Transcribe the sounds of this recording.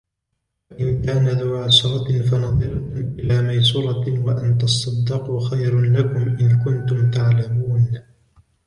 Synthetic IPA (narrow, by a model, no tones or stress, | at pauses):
wwaʔɪnkaːnaðawʕasɑɾˤɑfanɑðˤɪɾkʊmʔɪlaːmajs̬ʊɾˤɑwaʔant̪ɑsˤːɑd̪ːɪquxajɾlakʊmʔɪnkʊnt̪ʊmt̪aʕlamuːn